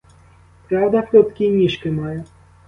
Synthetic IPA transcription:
pɾawd̪aplʲɔt̪kʲinʲiʃkɪmajɛ

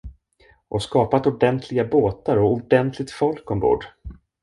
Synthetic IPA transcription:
ʔɔskɑːpat̪ʊɖɛnt̪ʰlɪɡaboːt̪aɾɔʊɖɛnt̪ʰlɪɡt̪fɔlkɔmɡo̰ːɖ

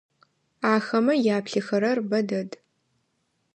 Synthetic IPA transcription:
aːxɐmɐjaːpɬɨxɐɾɐrbɐdɐd

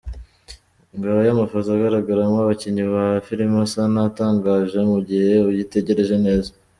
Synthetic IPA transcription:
ŋɡaβojamafozaːɡaɾaɡaɾamwaβaciɲiβahfiɾimasanataːŋɡaːʒe̞muɟihe̞ujite̞ɟe̞ɾe̞ʒe̞ne̞ːza

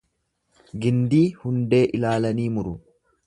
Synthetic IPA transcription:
ɡɪnd̪iːhʊnd̪e̞ːʔɪlaːlɐniːmʊɾʊ

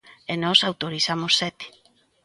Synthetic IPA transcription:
enɔsawt̪oɾisamosːɛt̪e̥

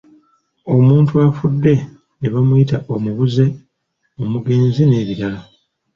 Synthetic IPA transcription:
o̞muːntuafudːe̞ | neβamujitaʔomuβuze̞ | omuɡe̞ːnzine̞ːβiɾala

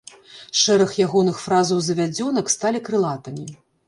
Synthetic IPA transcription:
ʂɛɾɐxjaɣɔnɨxfɾazɐwzɐvʲad͡zʲɔn̪ɐkst̪alʲikɾɨlˠat̪ɐmʲi

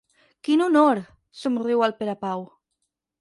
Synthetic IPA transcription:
kinunoɾ | sumriwalpeɾapaw

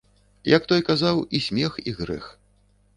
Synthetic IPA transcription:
jɐkt̪ɔjkazawisʲmʲɛxiɣɾɛ̰x

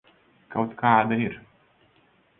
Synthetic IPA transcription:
kawt̪kaːd̪aiɾ

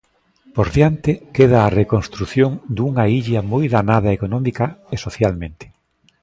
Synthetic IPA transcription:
pozðjant̪ɪkeð̞ɐːrekonst̪ɾuθjoŋd̪uŋaiʎɐmojðanað̞ɐekonɔmikɐesoθjalmẽnt̪ɪ̥

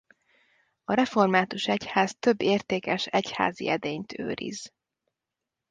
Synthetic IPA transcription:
ɒɾɛfo̞rmaːt̪uʃɛchaːzt̪ø̞bːeːrt̪eːkɛʃɛcha̰ːziɛd̪eːɲt̪ʰø̰ːɾḭz

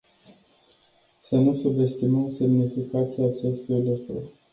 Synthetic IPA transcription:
sənusube̞st̪iməmse̞mnifikat̪siaːt͡ʃe̞st̪ujlukɾṵrʲ

